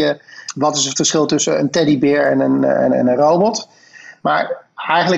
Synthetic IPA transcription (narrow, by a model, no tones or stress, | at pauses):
əʋɑtɪsətfəsχɪlˠtɵsəə̰ntɛdibɪːɹɛnənɛ̰nɛ̰nənrowbɔt | maːɹɛjχənlə